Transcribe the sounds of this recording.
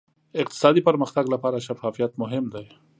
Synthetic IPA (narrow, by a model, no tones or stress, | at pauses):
ɪq̚t̪ɪ̥sɑd̪ipəɾməxt̪aɡlapɑɾaʃafɑfijat̪mʊɦɪmd̪aj